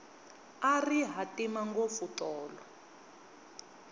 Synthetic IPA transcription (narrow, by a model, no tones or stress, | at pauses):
ariɦatimaŋɡofutɔːlɔ